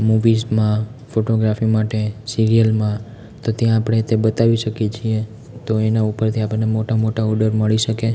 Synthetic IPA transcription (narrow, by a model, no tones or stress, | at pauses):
muʋizmãfoʈoɡɾafimaʈesiɾijəlmã | t̪ot̪jãːpɽ̃et̪ebət̪aʋiʃəkjet͡ʃʰie | t̪oenaupəɾt̪ʰiapənemoʈamoʈaɔɾɖəɾməɭiʃəke